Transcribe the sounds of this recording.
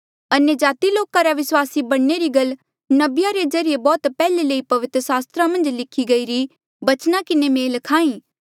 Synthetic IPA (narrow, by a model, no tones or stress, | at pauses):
ɐnjəd͡ʒaːt̪iloːkãɾaʋɪswaːsibɐɽneɾiɡɐl | nɐbɪjaɾed͡ʒɐɾiebɔːt̪pɛːleləipɐʋɪt̪ɾəsaːst̪ɾamɐ̃nd͡ʒlɪkʰːiɡɐiɾi | bɐt͡ʃnakɪnemẽːlɐkʰaːĩː